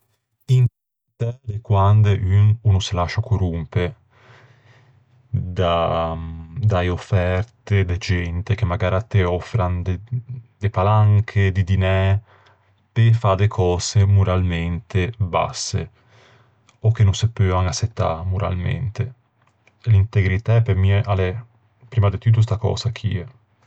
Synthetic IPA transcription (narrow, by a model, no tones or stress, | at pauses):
int | t̪ɛlekwand̪eʔynunʊselaʃakorumpe | d̪a | d̪aeofːɛɾt̪ed̪ed͡ʒɛnt̪ek̟emːaɡaːɾat̪ːeɔfːɾand̪ed̪epalaŋkʰed̪id̪inɛ | t̪efad̪ekʰɔːsemuɾalment̪eba̰sːḛ | okːenːõnsepøːaŋasːet̪ːa̰muɾa̰lmḛnt̪e | lint̪eɡɾit̪aɛpːemiɛʔalɛ | pɾiːmad̪et̪ut̪̬ːos̬t̪akɔ̰ːsak̟ʰḭɛ